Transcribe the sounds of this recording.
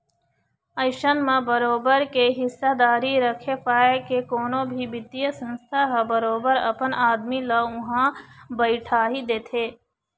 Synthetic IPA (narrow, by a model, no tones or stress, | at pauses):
əɪʃənmẽbəɾoːbəɾkeɦɪsːad̪aːɾiɾəkʰepaːekekoːnõbʱibɪd̪ijəsə̃nst̪ʰaɦəbəɾoːbəɾɐ̰pənaːd̪milaʊɦãbəɪʈʰaːɦid̪eːt̪ʰeː